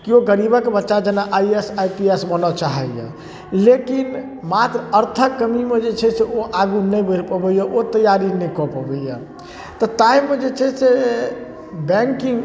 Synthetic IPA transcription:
kioɡəɾibəkebətːʃad͡ʒenaʔaiesajpiesbənɔt͡ʃaɦɛjə̰ | lekin | mat̪ɾəəɾt̪ʰəkːəmimed͡ʒet͡ʃʰɛseoʔaɡunəjbəɾpəbəijəʔot̪əjaɾinɛjkɔpɔbəjja | t̪ɔt̪aimːed͡ʒet͡ʃʰɛse | bɛ̃ŋkĩŋ

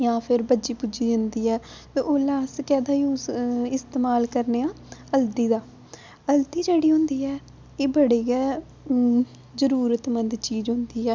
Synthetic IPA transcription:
jãːpʰɪɾbəd͡ʒiːpʊd͡ʒiːd͡ʒənd̪iːɛː | t̪ẽʔoːlaːskɛːd̪aːiũːɪst̪eːmaːlkəɾneːãː | əld̪iːd̪aː | əld̪iːd͡ʒeːɽiːɦʊ̃nd̪iːɛː | eːbəɽeːɡɛː | zəɾuːɾət̪mə̃nd̪t͡ʃiːzɦʊnd̪iːɛː

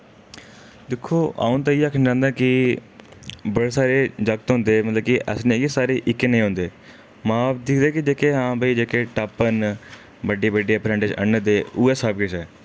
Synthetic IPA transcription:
d̪ɪkʰːoːʔa̰ːũːt̪ãːiaːkʰənd͡ʒãːnd̪aːkɪ | bəɽeːsaːɾeːd͡ʒəɡ̚t̪ɦʊ̃nd̪eːmət̪ləbkɪʔə̰snẽːɡisaːɾeːʔɪkːeːnəĩɦõːnd̪eː | mãːbd̪ɪkʰd̪eːkɪd͡ʒeːkeːɦãːbiːd͡ʒeːkeːʈaːpːən | bəɖiːbəɖiːaːpɾɛ̃ːɳɖɪd͡ʒə̰ɳd̪eːuːɛːsaːb̚kɪt͡ʃɛː

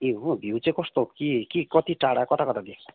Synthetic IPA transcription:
eɦũbʱuwt͡sekɔst̪okikikɔt̪iʈaɽakɔt̪ʰakɔt̪ʰad̪ekʰɔ̥

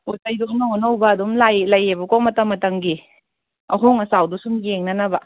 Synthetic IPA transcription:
otajdoknɐɔnɐwbɐɐdumlajlɐjebɐkomɐtɐmːɐtɐŋɡi | ɐ̰ɦoŋɐsawdusumjeŋnɐnɐba

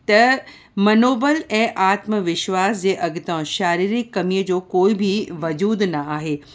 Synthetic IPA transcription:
t̪ɐ | mɐnoːbəlɛ̃ːʔaːt̪mʋɪʃwaːsd͡ʑeːʔɐɡɪt̪ãʃaːɾiːɾikːɐmijəd͡ʑoːkoːibʱiʋɐd͡ʑuːd̪nɐaːɦeː

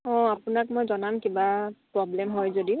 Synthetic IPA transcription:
ɔ̃apʊnak̚mojzɔnamkibapɹɔblɛmɦɔjzodi

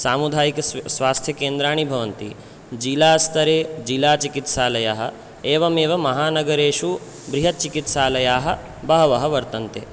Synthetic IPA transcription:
saːmud̪ʱaːjikɐsʋaːst̪ʰjɐkeːnd̪ɾaːɳ̃ibʱɐʋɐnt̪ḭ | d͡ʒilaːst̪ɐɾeːd͡ʒilaːt͡ʃikit̪ʃaːlɐjaːɦɐ̆ | eːʋɐmeːʋɐmɐɦaːnɐɡɐɾeːʂu | bɾiɦɐt̪̚t͡ʃikit̪ʃaːlɐjaːɦɐ̆ | bɐɦɐʋɐɦɐʋɐɾt̪ɐnt̪eː

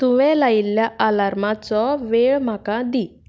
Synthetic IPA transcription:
t̪uʋɛ̃lailːjaʔalaɾmat͡sɔʋeɭm̤akad̪i

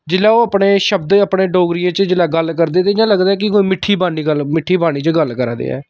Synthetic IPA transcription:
d͡ʒɪlaːoːəpɽeːʃəb̚d̪əpɽeːɖoːɡɾijãːt͡ʃəd͡ʒɪlaːɡəlkəɾd̪eːt̪ed͡ʒãːləɡd̪aːɛːk̬ɪkoːiːmɪʈʰːiːbaːniːɡəlmɪʈʰːiːbaːñiːt͡ʃəɡəlkəɾd̪ḛːɛ̰ː

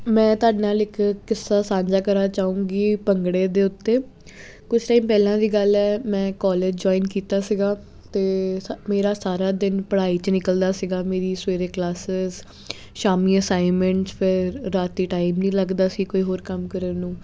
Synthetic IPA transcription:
mɛ̃ːt̪ʊaːɖenaːlɪkkɪsːaːsãːɲd͡ʒaːkəɾaːt͡ʃaːũːŋɡiːpəŋɡɽeːd̪eːʊt̪ːeː | kʊt͡ʃʰʈaːiːmpɛːlãːd̪iːɡəlɛːmɛ̃ːkɔːleːd͡ʒd͡ʒɔːiːnkiːt̪aːsɪɡaː | t̪eːmeːɾaːsaːɾaːd̪ɪnpəɽaːiːt͡ʃnɪkəld̪aːsɪɡaːmeːɾiːsʋeːɾeːklaːsɪz | ʃaːmiːəsaːɪmə̃ɳʈpʰɪɾːaːt̪iːʈaːimnĩːləɡd̪aːsiːkoːiːɦoːɾkəmkəɾəːnũː

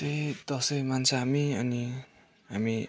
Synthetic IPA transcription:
ʌjd̪ʌsʌjmant͡sʰʌɦamiʌni | ɦami

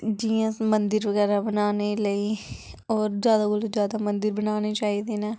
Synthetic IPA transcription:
d͡ʒiːãːmənd̪əɾʋəɡɛːɾaːbənaːneːləiː | ɔːɾd͡ʒjaːd̪aːɡʊlod͡ʒjaːd̪aːmənd̪əɾbənaːneːt͡ʃaːiːd̪eːneː

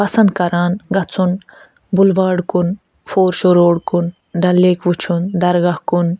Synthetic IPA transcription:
pɐsɐnd̪̚kɐɾaːnɡɐt͡sʰun | bulʋaːɽkun | foːɾʃoɾoːɽkun | ɖɐlːeːkʋut͡ʃʰund̪ɐɾɡahkun

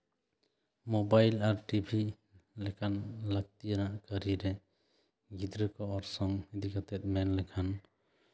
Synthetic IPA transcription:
mɔbajlaɾʈibʱi | lɛkʰanləɡ̚t̪ijanaʔkəɾiɾɛ | ɡid̪ɾəkɔɔɾsɔŋid̪ikat̪ɛt̪̚mɛnlɛkʰan

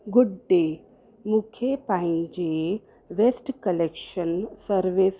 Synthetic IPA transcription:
ɡuɖɖe | mukʰepãid͡ʑe | ʋesʈkəlekʃənsəɾʋes

